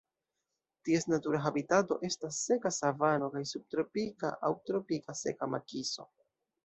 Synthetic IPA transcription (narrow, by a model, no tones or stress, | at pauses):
tie̞snatuɾaɦabitato̞̰ʔe̞stasːe̞kasavano̞kajsub̚tɾo̞pika̰ʔawtɾo̞pikase̞̰kama̰kiso̞̰